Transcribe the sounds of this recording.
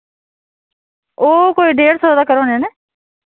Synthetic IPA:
oːkoːiːɖeːɽsoːd̪aːkəɾoːneːneː

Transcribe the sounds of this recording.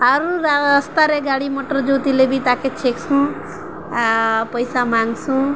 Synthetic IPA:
ʌɾuɾast̪aɾeɡaɽimoʈʌrd͡zot̪ilebʱit̪aket͡ʃʰekt͡sʰũ | pʌjsamaŋɡsʰũ

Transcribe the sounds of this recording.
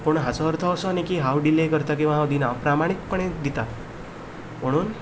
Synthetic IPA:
puɳ̃ɦãt͡sɔːɾt̪ʰɔːsɔːnekiɦawɖilekəɾt̪ak̬iʋaɦawd̪inãpɾamaɽ̃ikpəɽ̃ed̪it̪a | məɽ̃uːn

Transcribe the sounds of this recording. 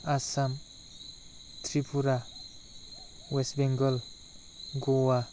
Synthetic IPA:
asam | t̪ʰɾipʰuɾa | wesbeŋɡʌl | ɡowa

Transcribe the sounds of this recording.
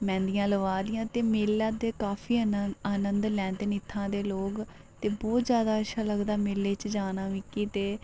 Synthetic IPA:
mɛ̃ːnd̪ijãːləʋaːd̪ɪjãːt̪eːmeːlaːd̪eːkaːfʰiːaːnə̃nd̪lɛ̃ːnt̪eːnɪt̪ʰːãːd̪eːloːk | t̪eːbɔːt̪zjaːd̪aːəʃʰaːləɡd̪aːmeːlːeːt͡ʃd͡ʒaːnaːʋiːkiːt̪eː

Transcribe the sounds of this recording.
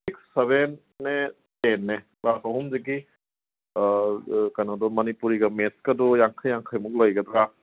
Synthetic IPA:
siksːeβenː | e | tenːe | basɔɦumzek̬i | kajnadɔmɐnipuɾiɡɐmeskadɔjaŋkʰajaŋkʰajmuk̚lojɡɐdɾa

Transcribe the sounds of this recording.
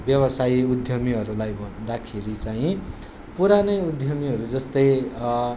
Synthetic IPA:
bjʌbʌsajiud̪ʱjʌmiɦʌɾulajbʱʌnd̪akʰeɾit͡saĩ | puɾanʌjud̪ʱjʌmiɦʌɾud͡zʌst̪ʌj

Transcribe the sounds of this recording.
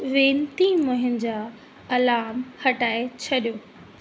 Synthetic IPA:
ʋẽːnt̪imʊɦɪn̆d͡ʑaː | ɐlaːmhɐʈaːet͡ɕʰɐɗijoː

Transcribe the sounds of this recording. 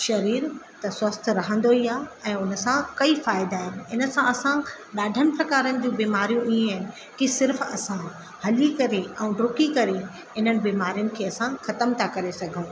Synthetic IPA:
ʃɐɾiːɾt̪ɐswɐst̪ʰɾɐɦə̃nd̪oiaːɛ̃ːʊnə̆sãkɐifaːɪd̪aːɦɪnɪ̆ɪnə̆sãɐsã | ɗaːɖʱənɪ̆pɾɐkaːɾənɪ̆d͡ʑũbiːmaːɾijũʔiːẽɦɪnɪ̆ | kisɪɾfɐsã | hɐlikɐɾeɛ̃ːɖoːkikɐɾe | ɦɪn̤ənɪ̆biːmaːɾijʊnɪ̆kʰeːɐsãxɐt̪əmt̪ʰakɐɾesɐɡʱə̃ː

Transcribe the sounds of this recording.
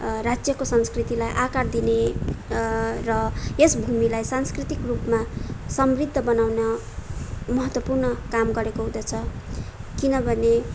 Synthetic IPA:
rad͡zjʌkosʌnskrit̪ilajʔakard̪ine | rʌesbʱumilajsanskrit̪ikrupmasʌmrid̪ʱːʌbʌnawnʌ | mʌɦʌt̪wʌpurnʌkamɡʌɾekoɦũd̪ʌt͡sʰʌ | kinʌbʱʌne

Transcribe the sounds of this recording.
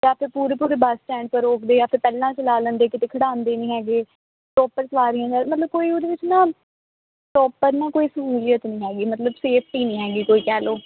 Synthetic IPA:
jaːpʰɪɾpuːɾeːpuːɾeːbasʈɛ̃ːɳɖ̚pəɾoːkd̪eːjaːpʰɪɾpɛːlãːt͡ʃəlaːlənd̪eːkɪt̪eːkʰəɽãːnd̪eːnĩːɦɛːɡeː | ʈɔːpəɾsʋaːɾijãːd͡ʒɛːmət̪ləb̚koːiːoːd̪eːʋɪt͡ʃnaː | ʈɔːpəɾnãːkoːiːsəɦuːlijət̪nĩːɦɛːɡiːmət̪ləbseːpʰʈiːnĩːɦɛːɡiːkoːiːkɛːloː

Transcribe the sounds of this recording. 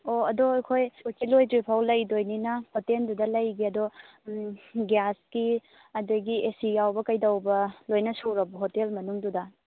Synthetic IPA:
oɐdoɐjkʰojutilojtɾipʰawlɐjdojninɐhotendudɐlɐjɡiɐdo | ɡjaski | ɐdojɡiesijawbɐkɐjdɐwbɐlojnɐsuɾɐbɐɦotelmɐnuŋdudɐ

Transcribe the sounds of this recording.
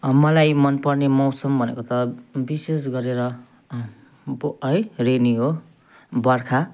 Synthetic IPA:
ʌmʌlajmʌnpʌrnemʌwsʌmbʱʌnḛkot̪ʌbisesɡʌɾeɾʌ | ʌjreniɦo | bʌrkʰa

